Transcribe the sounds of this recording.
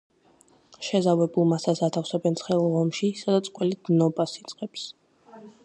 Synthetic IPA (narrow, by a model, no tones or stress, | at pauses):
ʃɛzavɛbulˠmasasat̪ʰafsɛbɛnsʰχɛulˠʁɔmʃisad̪at̪sʼqʼwɛlid̪̥nɔbasit̪sʼqʼɛps